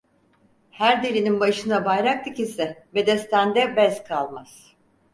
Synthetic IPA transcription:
hæɾd̪eɾininbaʃɯnabajɾak̚t̪ɯkisɛbe̞d̪ɛst̪ʰænd̪ɛbɛzkʰalˠmaz̥

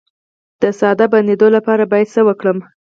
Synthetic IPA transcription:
d̪̥əsɑd̪aband̪ed̪olapɑɾabɑjad̪səwəkɽəm

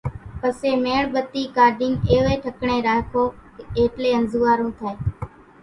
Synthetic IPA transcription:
pəseːmeːɳɓət̪ːiːkaːɾɖɪ̃ŋɡeːʋeːʈʰəkɳeːɾaːkʰoːkeːʈleːənzuːaːɾũːt̪ʰeː

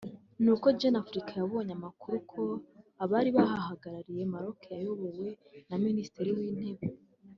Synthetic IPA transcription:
nuko̞ɟenafuɾikajaβo̞ɲamakuɾukʰo̞aβaɾiβahahaɡaɾaɾije̞maɾo̞kejajo̞βowe̞ | naministeɾiwiːn̥e̞βe

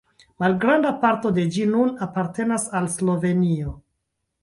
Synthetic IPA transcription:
malɡɾandapaɾto̞de̞d͡ʒinunapaɾte̞nasalslo̞ve̞nio

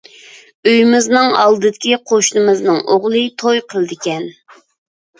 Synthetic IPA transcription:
øjmɪznɨŋɑ̰lˠd̪ɨd̪ɪkʲiqʰoʃnɨmɨznɨŋʔoʁlˠɨt̪ʰojqʰəlˠd̪ɪkʲɛn

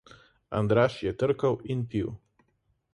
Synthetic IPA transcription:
a̰nd̪ɾaːʃjɛt̪əɾkɐwinpiw

